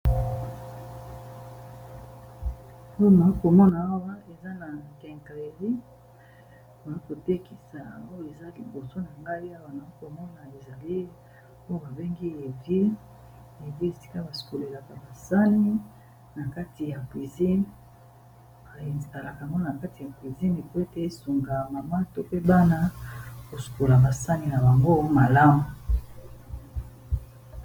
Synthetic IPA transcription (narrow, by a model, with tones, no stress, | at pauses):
o˦jo˦na˨i˦ko˨mɔ˦na˨a˦wa˦e˨za˦na˨kɛ˨ŋke˨di˦ | ba˨i˦ko˨te˦ki˨sa̰˨o˦jo˦˨e˨za˦li˨bo˨so˦na˨ŋɡa˦i˦a˦wa˦na˨i˦ko˨mɔ˦na˨e˨za˨li˦ | o˦jo˦ba˨be˦ŋɡi˦e˨vi˦ | e˨vi˦e˨si̥˦ka˦ba˨su̥˨ko˨le˨la˨ka˨ba˨sa˦ni˦ | na˨ka˦ti˨ja˨kwi˨zi˦n˨ | a˨e˨nzta˨la˨ka˨ŋɡo˦na˨ka˦ti˨ja˨kwi˨zi˦ne˨po˦e˦te˦su˨ŋɡa˨ma˨ma˦to˦pe˦ba˦na˦ko˨su̥˨ko˨la˨ba˨sa˦ni˨na˨ba˨ŋɡo˦ma˨la˦mo˨